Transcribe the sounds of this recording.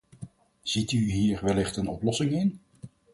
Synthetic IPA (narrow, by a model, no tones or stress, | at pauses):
z̥ityɦiːɹʋɛlɪχtənɔplɔsɪŋɪn